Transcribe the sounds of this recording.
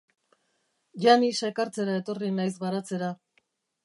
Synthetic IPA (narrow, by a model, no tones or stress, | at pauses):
ʝanisaekaɾt͡se̞ɾae̞t̪o̞rinajsɣaɾat͡se̞ɾa